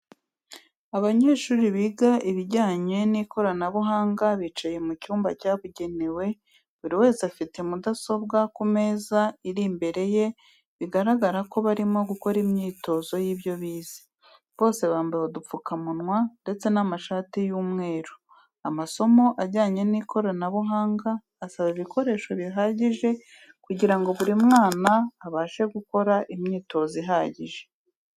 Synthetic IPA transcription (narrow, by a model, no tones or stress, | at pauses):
aβaɲe̞ːʃuːɾiβiɡaʔiβiɾɟaːɲe̞nikʰo̞ɾanaβuɦaːŋɡaβit͡ʃaje̞mucuːmbacaːβuɟe̞newe̞ | βuɾiwe̞ːsafitemudaso̞bɡakume̞ːzaiɾimbe̞ɾe̞je̞ | βiɡaɾaɡaɾako̞βaɾimo̞ɡuko̞ɾimɲiːto̞ːzo̞jiːβjo̞βiːz̥i̥ | βo̞ːse̞βaːmbahodup͡fukamunwande̞t͡se̞namaʃaːtijuːmŋe̞ːɾo | amaso̞mo̞ʔaɟaːɲe̞nikʰo̞ɾonaβuɦaːŋɡaː | saβiβikʰo̞ɾe̞ːʃo̞βiɦaːɟiʒe̞ | kuɟiɾaŋɡo̞βuɾimŋaːnaːβaːʃe̞ɡuko̞ɾaʔimɲiːto̞ziɦaːɟiʒe̞